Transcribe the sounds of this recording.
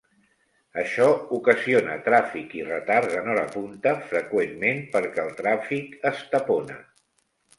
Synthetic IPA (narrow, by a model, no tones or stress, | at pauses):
əʃɔukəzionət̪ɾafikirət̪aɾzənɔɾəpunt̪əfɾəkwemːempəɾkɛəlˠt̪ɾafikəst̪əponə̰